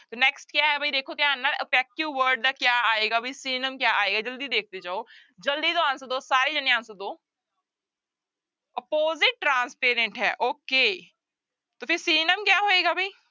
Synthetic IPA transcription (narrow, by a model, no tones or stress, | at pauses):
t̪onɛksʈkjaːɦɛbʱɐid̪eːkʰokjaːnːəɾəpɛːkjuʋəɾɖ̚d̪akjaːaːeːɡabʱɐisiːnəmkjaːaːeːɡad͡ʒɐld̪id̪eːk̚ʰt̪et͡ʃaːo | d͡ʒɐld̪it̪oãːnsəd̪oːsaːɾid͡ʒɐniãːnsod̪oː | ɐpoːzɪʈ̚ːɾãːnspeːɾẽɳʈɦɛ̰ːʔoːkeː | t̪oːfʰɪɾsiːnəmkjaːɦoːeːɡabʱaiː